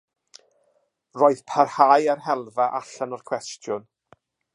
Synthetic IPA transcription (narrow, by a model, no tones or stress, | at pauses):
roːɨðpʰarhaːjarhɛlˠvaʔaɬanɔrkʰw̥ɛstʰjʊn